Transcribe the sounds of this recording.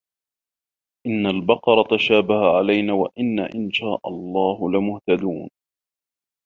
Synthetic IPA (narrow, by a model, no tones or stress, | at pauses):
ʔɪnːalbɑqɑɾˤɑt̪aʃaːbahaʕalajnaːwaʔɪnːa̰ʔɪnʃaːʔɑ̰lˤːɑːhʊlɪmʊht̪ad̪uːn